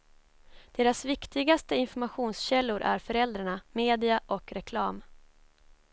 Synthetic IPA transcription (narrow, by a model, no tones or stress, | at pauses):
d̪̥eːɾasvɪkt̪ɪɡast̪əɪnfɔɾmaɧuːnsɕɛlːʊɾʔæ̰ɾfœɾɛld̪ɾaɳameːd̪ɪaʔɔkɾɛkʰlɑːm